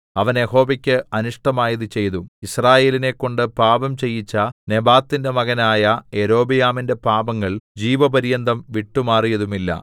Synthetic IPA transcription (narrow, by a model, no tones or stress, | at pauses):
ɐʋɐneho̞ːbɐkʲːɨɐnuʂʈɐmaːjɐðɨt͡ɕe̞jðuisraːje̞ːline̞kːo̞ɳɖɨpaːbɐmt͡ɕe̞jːit͡ɕːɐne̞baːt̪ːinde̞mɐɣɐnaːjɐe̞ɾo̞ːbijaːminde̞paːbɐŋːɐɭd͡ʑiːʋɐbɐɾijɐnd̪ɐmʋiʈːumaːrijɐðumilːɐ̰